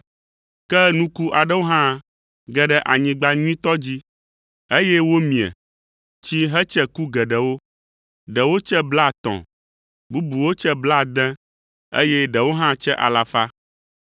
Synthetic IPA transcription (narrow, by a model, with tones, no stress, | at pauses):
kɛ˦nũ˦ku˦ʔa˨ɖɛ˦wo˦ɦã˦ | ɡɛ˨ɖɛ˨ʔa˨ɲĩ˨ɡ͡ba˦ɲũ˦ĩ˦t̪ɔ˦d͡ʑi˦ | e˦jɛ˦wo˦mĩ˨ɛ̰˨ | t͡ɕi˦ɦɛ˦t͡ʃɛ˦ku˦ɡɛ˨ɖɛ˨wo˦ | ɖɛ˨wo˦t͡ʃɛ˦bla˦˨t̪ɔ̰̃˨ | bu˦bu˨wo˦t͡ʃɛ˦bla˦˨d̪ɛ̃˦ | ḛ˦jɛ˦ɖɛ˨wo˦ɦã˦t͡ʃɛ˦ʔa̰˨la˨fa˦